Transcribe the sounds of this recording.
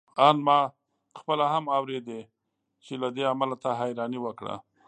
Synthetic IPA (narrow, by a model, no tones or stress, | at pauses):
ɑnmɑ | xpəlahamawɾed̪e | t͡ʃelad̪eamalat̪aɦajɾɑniwəkɽa̰